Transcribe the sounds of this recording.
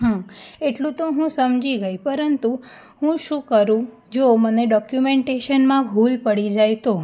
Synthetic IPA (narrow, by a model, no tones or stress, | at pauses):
ɦãeʈlũt̪oɦũsəmd͡ʒiɡəjpəɾənt̪u | ɦũʃũkəɾũ | d͡ʒoməneɖɔkjumeɳʈeʃənmãbʱulpəɽid͡ʒajt̪o